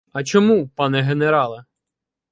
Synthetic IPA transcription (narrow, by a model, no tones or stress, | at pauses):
ɐt͡ʃɔmupɑnɛɦeneɾɑlˠɐ